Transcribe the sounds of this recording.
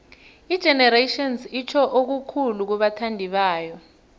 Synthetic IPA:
id̥ʒ̥ʱɛnɛɾetɔnsit͡ʃʰɔʔok̬ukʰuluk̬uɓatʰandʱiɓaːjɔ

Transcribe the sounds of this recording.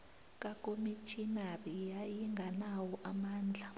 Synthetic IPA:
kʼakʼomit͡ʃʰʼinarijajiŋɡʱanawɔʔamaːnd͡ɮʱa

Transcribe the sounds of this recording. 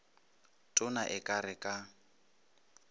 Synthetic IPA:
tʼʊnaʔɪkʼarɪkʼa

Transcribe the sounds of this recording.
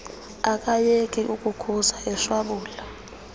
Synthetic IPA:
ak̬ʼajekʼiʔukʼukʰusaɛʃwaɓuːla

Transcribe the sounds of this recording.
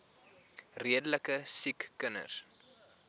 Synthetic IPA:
riədələkəsikːənə̰s

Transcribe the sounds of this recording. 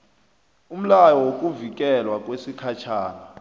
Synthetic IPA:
um̩lajɔwok̬ʼuvik̬ʼɛlwak̬ʼwesikʰat͡ʃʰaːna

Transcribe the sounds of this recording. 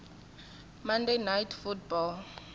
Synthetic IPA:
mandenajtfutbɔl

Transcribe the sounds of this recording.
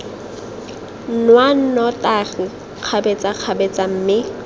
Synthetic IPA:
n̩nwan̩nɔtari | q͡χʰabet͡sʼaq͡χʰabet͡sʼam̩ːmɪ

